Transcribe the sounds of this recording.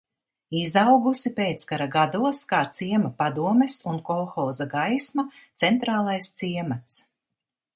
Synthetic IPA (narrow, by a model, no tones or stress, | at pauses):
izawɡusipeːt̪skaɾaɡad̪uɔskaːt̪siɛmapad̪uɔmesunkɔlˠxɔːzaɡajsma | t̪sɛnt̪ɾaːlˠajst̪siɛmat̪s